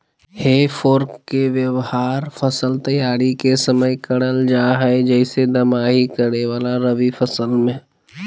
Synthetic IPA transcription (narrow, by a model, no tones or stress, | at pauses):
heːfʰoːɾkkːeʋjəʋhaːɾfʰɐsəlt̪ɐjaːɾikesəməjkɐɽəld͡ʒaːɦɛed͡ʒɛːɪsed̪ɐmaːɦikɐɾneʋaːlaɾɐʋifɐsəlmẽ